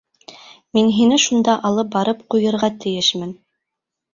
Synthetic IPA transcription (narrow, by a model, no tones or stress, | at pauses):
minɦinɘʃund̪ɑʔɑlˠɤp̚bɑɾɤp̚qujɤ̆ɾʁɑt̪ɘ̆jɘʃmɘn